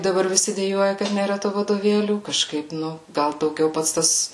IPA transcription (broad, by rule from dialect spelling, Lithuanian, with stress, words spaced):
dɐˈbɐr ʋʲɪˈsʲɪ dʲɛˈjuɔjɛ kɐt nʲeːˈrɐ tuː ʋɐdoːˈʋʲeːlʲuː kɐˈʃkɐɪp ˈnʊ ˈɡɐlˠ dɐʊˈɡʲɛʊ ˈpɐts ˈtɐs